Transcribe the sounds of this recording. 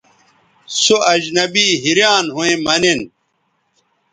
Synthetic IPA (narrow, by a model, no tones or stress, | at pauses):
soɐd͡ʑnɐbiɦiɾjaːnɦuẽmɐnen